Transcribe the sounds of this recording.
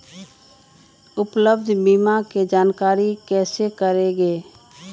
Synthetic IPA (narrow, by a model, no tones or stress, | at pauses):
ʊpləb̚d̪ʱbiːmaked͡ʒaːnkaːɾikɛːsekəɾeɡeː